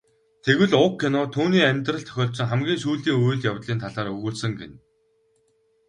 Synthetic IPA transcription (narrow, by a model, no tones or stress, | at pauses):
t̪ʰeɣwɘ̆ɮʊkʰːenɔːt̪ʰuːniːæmʲt̪rə̆ɬt̪ʰœ̥xʲɔːɮsɞ̆ŋχæmɡʲiːŋʃuːɮiːŋuj̆ɮjawt̪ɮiːnt̪ʰaɮaːɾɵɣuːɮsə̆ŋɡḛn